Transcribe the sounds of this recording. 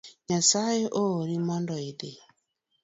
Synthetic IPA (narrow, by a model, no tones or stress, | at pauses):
ɲasajeʔoːɾimandɔide